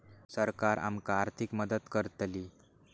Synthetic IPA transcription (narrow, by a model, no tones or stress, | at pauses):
səɾkaɾa̰mkaːɾt̪ʰikməd̪ət̪kəɾt̪li